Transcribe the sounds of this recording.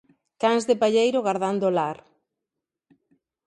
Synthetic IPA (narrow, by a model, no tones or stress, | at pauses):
kaŋzðɪpaʎejɾʊɣaɾðand̪olaɾ